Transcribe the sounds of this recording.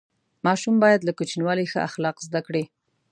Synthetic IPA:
mɑʃumbɑjad̪lakut͡ʃinwɑlixə̰ʔa̰xlɑqzd̪akɽi

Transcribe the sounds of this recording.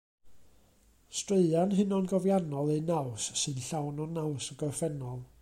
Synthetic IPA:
streɨanɦɨnɔnɡɔvjanɔlˠejnawsːɨnɬawnɔnawsəɡɔrfɛnɔlˠ

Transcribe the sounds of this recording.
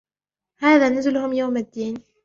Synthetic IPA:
haːðanʊzɪlhʊmjaːmad̪ːiːni

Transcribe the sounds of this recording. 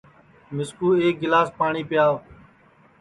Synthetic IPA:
mɪskuːeːk̚ɡɪlaːspaːɳiːpɪjaː

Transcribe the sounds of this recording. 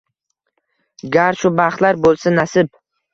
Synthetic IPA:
ɡʲaɾʃʊbaχt̪laɾbolˠsanasɪp

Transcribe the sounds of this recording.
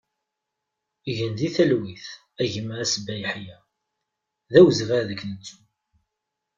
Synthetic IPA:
ʝənðiθælwiθ | æʝəmːəɾæsbæjħjæ | ðæwəzvæɾðəkːnət͡sːu̥

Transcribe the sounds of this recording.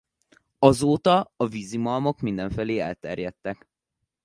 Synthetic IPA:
ɒzoːt̪ɒɒvizimɒlmo̞kmind̪ɛɱfɛleːɛlt̪ɛrjɛt̪ːɛk

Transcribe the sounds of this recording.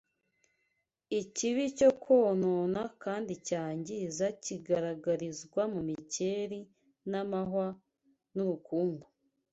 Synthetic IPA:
iciβico̞kʰo̞ːnonakaːndicaːɲɟizaciɡaɾaɡaɾizɡwamumice̞ːɾi | namahwa | nuɾukuːŋɡo

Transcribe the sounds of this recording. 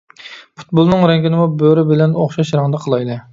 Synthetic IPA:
pʰu̥t̪̚bolˠnɨŋɾɛŋɡʲinɪmubøɾɪbɪlɛnoχʃɑʃɾɑŋd̪ɑqʰəlˠɑjd̪ɨ

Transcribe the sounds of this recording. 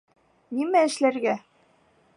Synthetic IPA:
nimæɘ̆ʃlæɾɡæ

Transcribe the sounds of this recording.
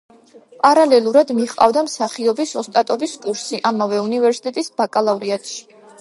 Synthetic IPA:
pʼaɾalɛlˠuɾad̪miχqʼa̰vd̪amsaχiɔbisɔst̪ʼat̪ʼɔbiskʼuɾsiʔamavɛunivɛɾsi̥t̪ʼɛt̪ʼisb̥akʼalˠavliat̪ʰʃi̥

